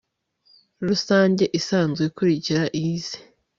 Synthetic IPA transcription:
ɾusaːɲɟe̞ʔisaːnzɡekuɾiciɾaʔize̥

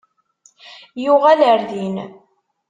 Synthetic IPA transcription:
jʊʁæləɾðin

